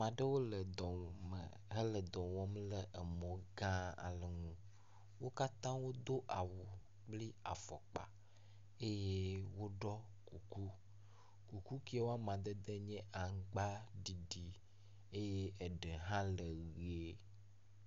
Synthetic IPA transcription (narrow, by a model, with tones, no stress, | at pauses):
mã˨ɖə˦wo˦lə˨d̪ɔ˨mə̰˨ | ɦə˦lə˨d̪ɔ̃˨wɔ˦mlə˨ʔə˨mɔ̃˨ɡã˦a̰˨lə˨ŋũ˦ | wo˦ka˦t̪ã˦wo˦d̪o˦ʔa˨wu˨ | k͡pli˦a̰˨fɔ̰˨k͡pa̰˨ | e˦je˦wo˦ɖɔ˦ | ku˨ku˦ | ku˨ku˦ki˦e˦wo˦a˦mã˨d̪ə˦d̪e˦ɲɛ̃˦ʔa˨ŋ˦ɡ͡ba˦ɖi˨ɖi˦ | e˦je˦e˨ɖe˨ɦã˦lə˨ɣe˦